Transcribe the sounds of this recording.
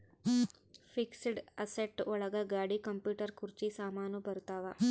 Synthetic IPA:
fiksɽɐseʈɔɭɐɡaɡaːɽikɐmpjuːʈəɾkuɾt͡ʃisaːmaːnubʱɐɾt̪aːʋa

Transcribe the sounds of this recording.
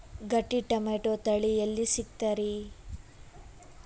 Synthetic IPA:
ɡɐʈːiʈɐmeːʈot̪ɐɭijɐlːisik̚t̪ɐɾi

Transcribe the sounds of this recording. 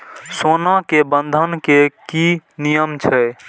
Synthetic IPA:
sonakebənd̪ʱənkekinijəmt͡ʃʰɛ

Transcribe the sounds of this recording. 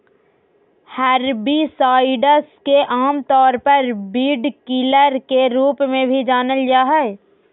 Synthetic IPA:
hɛɾbisaːɪɖəskeʔaːmt̪ɔːɾpəɾbiːɖkɪləɾkeɾuːpmẽbʱid͡ʒaːnəljaːɦɛː

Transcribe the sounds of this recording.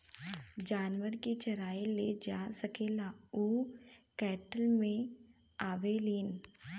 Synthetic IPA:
d͡ʒaːnʋəɾket͡ʃɐɾaːeled͡ʒaːsɐkeːlauː | kɛːʈəlmẽ | aːʋeliːn

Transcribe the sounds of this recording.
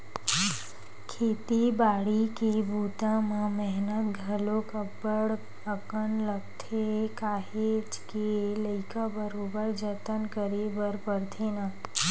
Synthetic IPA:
kʰeːt̪ibaːɽikebʱuːt̪ãmẽmɛɦnət̪ɡʱəlokəbəɽ | əkənləɡt̪ʰekaːɦed͡ʒkeləɪkabəɾoːbəɾd͡ʒət̪ənkəɾebəɾpəɾt̪ʰenaː

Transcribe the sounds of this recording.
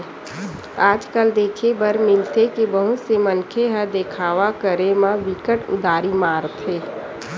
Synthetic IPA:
aːd͡ʒkəld̪eːkʰebəɾmɪlt̪ekebəɦusemənkʰeɦəɾd̪eːkʰaːʋakəɾemãʋɪkəʈʊ̰d̪ʱaːɾimaːɾt̪ɦeː

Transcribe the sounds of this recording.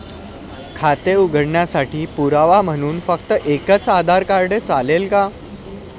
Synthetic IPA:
kʰat̪euɡʱəɽɳjasaʈiːpuɾaʋam̤əñuːnfəkt̪əʔekət͡sad̪ʱaɾkaɾɖet͡salelka

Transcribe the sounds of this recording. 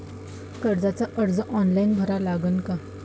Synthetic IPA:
kəɾd͡zat͡saʔəɽd͡zəʔɔnlainbʱəɾalaɡənka

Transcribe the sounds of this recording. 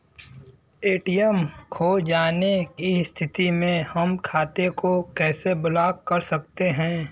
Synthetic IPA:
eːʈijəmkʰoːd͡ʒaːnekist̪ʰɪt̪imẽhɐmkʰaːt̪ekokɛːsebʊlaːkkːɐɾsɐk̚t̪eɦɛ̃ː

